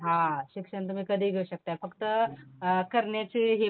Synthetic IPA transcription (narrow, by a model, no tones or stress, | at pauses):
ɦãɕikʂəɳt̪um̤iːkəd̪ʱiːɡʱeuɕɐk̚t̪aefəkt̪ə | kəɾɳjat͡ɕiːɦi